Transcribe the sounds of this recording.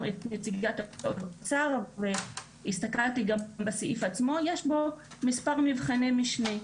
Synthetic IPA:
et̪net͡siɡat̪odat͡saʁve | ist̪akʁaltiɡambasiʔifat͡smo̞jeʃbo̞mispaʁmivχanemiʃne

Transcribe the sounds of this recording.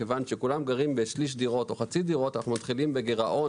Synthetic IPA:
evanʃe̞kulamɡaʁimbe̞ʃliʃ̬d̪iʁo̞t̪o̞χat͡sid̪iʁo̞t̪anaχnumat̪χilimbe̞ɡeʁaʔo̞

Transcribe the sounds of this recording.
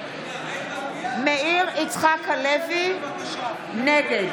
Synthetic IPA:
mɛɪrɪt͡sʰχakʰalɛvɪ | nɛkɛ

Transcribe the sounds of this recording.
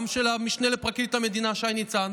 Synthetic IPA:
mʃelamiʃnelepʁakit̪hamed̪inaʃajnit͡sa

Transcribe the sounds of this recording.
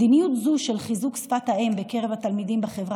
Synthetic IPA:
dinijut̪zuʃe̞lχizuksfat̪haʔembe̞ke̞ʁe̞vat̪almid̪imbeχe̞vʁa

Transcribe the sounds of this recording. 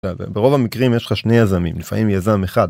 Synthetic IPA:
av̰beʁo̞vamikʁimjeʃlχaʃnejazamḭmlifa̰mimjazameχad̪

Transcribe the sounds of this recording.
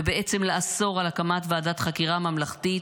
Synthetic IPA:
ebeʔet͡semleaso̞ʁalakamat̪vaːdat̪χakiʁamamlaχt̪i

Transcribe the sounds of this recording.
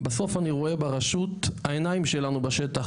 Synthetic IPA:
beso̞faniʁoe̞baʁaʃuthaenaimʃe̞lanubaʃet̪a

